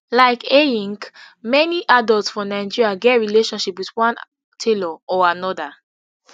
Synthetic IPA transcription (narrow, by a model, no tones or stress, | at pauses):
laɪkejĩŋk | mɛniʔadɔltsfɔnaɪd͡ʒiɹiaɡɛtɹileʃɔ̃nʃipwidwãn | tʰelɔɔanɔda